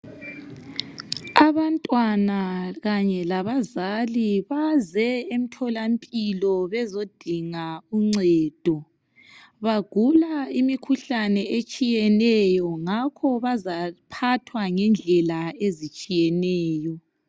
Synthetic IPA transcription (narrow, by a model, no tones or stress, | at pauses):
aβantʼwanaɣaɲɛlaβazaliβazɛem̩tʰɔlampʼilɔβɛzod̥ʱiŋauŋ͡ǀɛːd̥ʱɔ | βaɡ̥ʱulaimikʰuɬanɛet͡ʃʼijɛnɛjɔŋakʰɔβazapʰatʰwaŋɛnd͡ɮʱɛlaezit͡ʃʼijɛnɛːjɔ